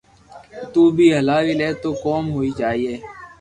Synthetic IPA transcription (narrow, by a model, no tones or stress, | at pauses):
t̪uːbʱiːɦəlaːʋileːt̪oːkoːmɦoːiːd͡ʒaːɦiːeː